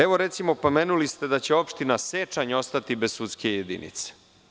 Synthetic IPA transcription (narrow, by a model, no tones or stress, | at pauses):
eʋo̞ɾe̞t̪simo̞pomenulist̪e̞d̪at͡ɕe̞o̞pʃt̪inaset͡ʃaɲo̞st̪at̪ibessut̪ske̞jed̪ḭnḭt̪se̥